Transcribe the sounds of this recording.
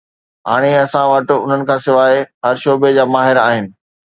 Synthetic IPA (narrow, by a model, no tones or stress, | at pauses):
ɦa̰ːɽ̃eɐsãʋɐʈ̆ʊ̰n̤ənɪ̆kʰãːsɪʋaːeɦɐɾʃoːbed͡ʑaːmaːɦɪɾaːɦɪnɪ̆